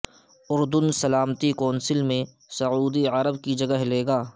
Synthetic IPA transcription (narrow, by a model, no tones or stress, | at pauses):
ʊɾd̪ʊnsɐlaːmt̪ikɔːnsɪlmẽ | sɐuːd̪iɐɾəbkid͡ʒɐɡəɦleːɡaː